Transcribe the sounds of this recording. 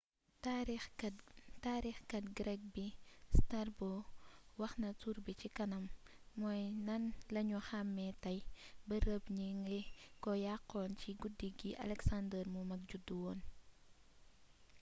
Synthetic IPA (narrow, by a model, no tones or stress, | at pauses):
taɾ | taːɾixkɐtɡɾɛk̚bistarbɔwɐxnɐtuɾbicikɐnɐmː | ɔjnɐnlɐɲuxamːɛtɐjbɐɾəbɲiŋɡɛkɔjaqːɔːnciɡudiɡiʔɐ̰lɛksandərmumɐk̚ɟudːuwɔːn